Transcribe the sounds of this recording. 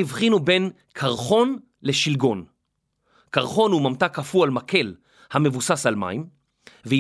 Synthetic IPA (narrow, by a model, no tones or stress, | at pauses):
ivχinube̞n | kʰaʁχo̞n | le̞ʃilɡo̞n | kaʁχo̞nhumamtakafualmakʰe̞l | hame̞vusasalma̰im | ve